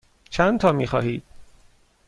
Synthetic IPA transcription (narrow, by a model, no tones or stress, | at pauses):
t͡ʃʰænt̪ʰɒːmiːxɒːhiːd̪̥̚